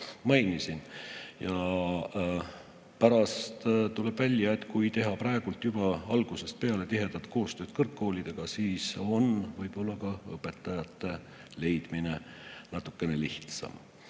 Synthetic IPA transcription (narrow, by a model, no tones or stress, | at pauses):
mɑjnisinjɑ | pæɾɑst̪t̪ule̞b̥vælʲjɑe̞t̪ːˑkujt̪e̞ɦɑprɑeɡ̥ult̪ːˑjub̥ɑɑlɡ̥use̞st̪̚pe̞ɑle̞t̪iɦe̞d̪̥ɑt̪ko̞ːst̪ø̞ːd̥̪̚kɤrkːo̞ːlid̪̥e̞ɡ̥ɑsiːso̞nvɤjb̥o̞lːɑkɑɤpːˑe̞t̪ːˑɑjɑt̪ːe̞ | le̞jd̪̥mine̞nɑt̪ːˑukːe̞ne̞liht̪sɑ̰m